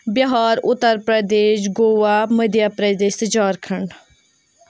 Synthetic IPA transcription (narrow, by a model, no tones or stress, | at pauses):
bjəɦaːɾʊt̪ːəɾpɾəd̪eːʃ̬ɡoːʋaːməd̪jaːpɾəd̪eːsd͡ʒaːɾkʰəɳɖ